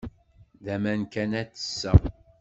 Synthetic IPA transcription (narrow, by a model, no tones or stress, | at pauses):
ðæmænkænæt͡sːə̥sːə̰